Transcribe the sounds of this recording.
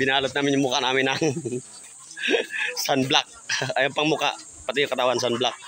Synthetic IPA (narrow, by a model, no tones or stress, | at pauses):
binalət̪̚namiɲəmukanamɛnaŋ | sanblak̚ajampaŋmuka̰ | pat̪iukət̪awans̬anblak̚